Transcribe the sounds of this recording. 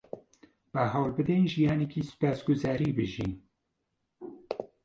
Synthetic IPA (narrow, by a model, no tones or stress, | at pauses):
b̥aɦaːwlbɨd̪enʒijaːnekiːsɨ̥paːsɡʊzaːɾiːbɨʒiːn